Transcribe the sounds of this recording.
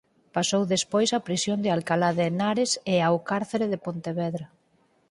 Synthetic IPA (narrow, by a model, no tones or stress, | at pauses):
pasowðespojsapɾisjond̪ɪalkalaðenaɾeseawkaɾθeɾeðepont̪eβɛðɾa